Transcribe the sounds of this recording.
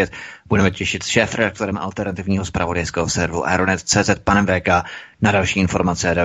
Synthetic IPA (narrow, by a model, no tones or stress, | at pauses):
ɛt̪budɛmɛcɛʃɪt̪sʃɛːfɾɛdak̚t̪o̞ɾɛmʔa̰lt̪ɛɾnat̪ɪvɲiːɦospɾavo̞dajskɛːɦosɛɾvṵʔa̰ɾonɛt̪t͡sɛːzɛt̪̚panɛmvɛːkaːnadalʃiːʔɪnfo̞ɾmat͡sɛada